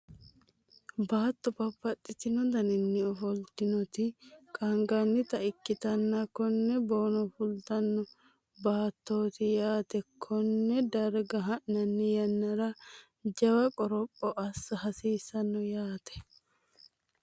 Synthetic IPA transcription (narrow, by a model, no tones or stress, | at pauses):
baːt̪ːɔpɐpːɐt̪ʼːɪt̪ɪnɔd̪ɐnɪnːɪɔfɔlt̪ɪnɔt̪ɪkʼɐŋɡɐnːɪt̪ɐɪkːɪt̪ɐnːɐkɔnːɛbo̞ːnɔfʊlt̪ɐnːɔ | baːt̪ːoːt̪ɪjaːt̪ɛkʰːɔnːɛd̪ɐɾɡɐɦɐʔnɐnːɪjɐnːɐɾɐ | d͡ʒɐwɐkʼɔɾɔpʼːɔʔɐsːɐhɐsiːsːɐnːɔjaːt̪ɛ̥